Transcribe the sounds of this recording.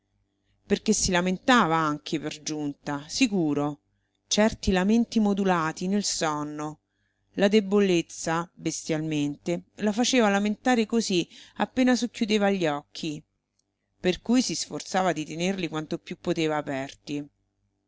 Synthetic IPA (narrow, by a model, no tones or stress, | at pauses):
perkesːilament̪aːvaaŋk̟ʰeperd͡ʒunt̪asikuːɾo | t͡ʃɛrt̪ilament̪imod̪ulaːt̪inelsɔnːo | lad̪ebolet̪sːabest̪jalment̪elafat͡ʃeːvalament̪aːɾekoziapːeːnasokːjud̪eːvaʎːɔkʰːi | perkujsisfort̪saːvad̪it̪enerlikwant̪opjupːot̪eːvaːpɛrt̪i